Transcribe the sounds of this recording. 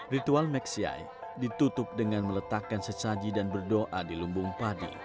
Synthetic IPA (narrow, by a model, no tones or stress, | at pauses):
rit̪ualmɛksia̰j | dit̪ut̪ʊp̚dəŋanmələt̪akansət͡ʃad͡ʒidanbərdoʔadilumbʊŋpadḭ